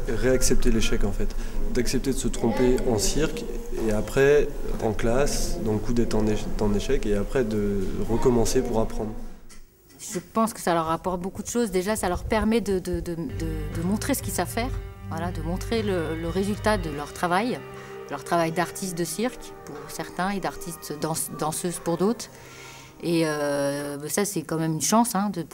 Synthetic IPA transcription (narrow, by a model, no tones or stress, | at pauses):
ʁeaksɛp̚t̪eleʃɛkɑ̃fɛt̪d̪aksɛp̚t̪ed̪əsət̪χɔ̃peɑ̃siʁk | eapχɛ | ɑ̰̃klasd̪ɑ̃ləkud̪ɛt̪χɑ̃neʃt̪ɑ̃neʃɛkeapχɛd̪əʁəkɔmɑ̃sepuʁapχɑ̃d̪ʁ | ʒəpɑ̃skə̥salœʁapɔʁt̪̚bokud̪əʃozd̪eʒasalœʁpɛʁmɛd̪əd̪əd̪əd̪əd̪əmɔ̃t̪χesə̥kʲilsavfɛːʁvwalad̪əmɔ̃t̪χelələʁezylt̪ad̪əlœʁt̪χavaj | d̪̥əlœʁt̪χavajd̪aʁt̪ʰist̪̚d̪əsiʁk | puʁsɛʁt̪ɛ̃ed̪aʁt̪ist̪d̪ɑ̃sd̪ɑ̃søzpuʁd̪ot̪χ | eøbɛsasɛkɑ̃mɛmynʃɑ̃sɛ̃d̪ə